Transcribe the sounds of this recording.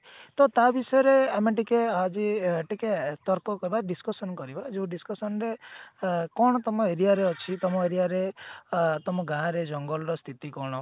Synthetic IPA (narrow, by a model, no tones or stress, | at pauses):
t̪ɔt̪abisɔɔɾeameʈikead͡ʒiʈiket̪ɔɾkɔkɔɾibaɖiskɔsɔnkɔɾibad͡ʒeũɖiskɔsɔnɾe | kɔ̃ɔt̪ɔmɔeɾiaɾeɔt͡ʃʰit̪ɔmɔeɾiaɾe | t̪ɔmɔɡãɾed͡ʒɔŋɡɔlɔɾɔst̪ʰit̪ikɔɽ̃ɔ